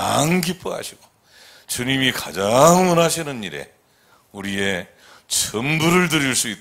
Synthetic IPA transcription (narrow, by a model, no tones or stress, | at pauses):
a̰ŋkip͈ua̰ɕʰiɡ̥o | t͡ɕuɲimikad͡ʑaŋwʌnaɕʰinɯniɾe̞̰ | uɾie̞ | t͡ɕʰɯmbuɾɯɭtɯɾiɭs͈uitt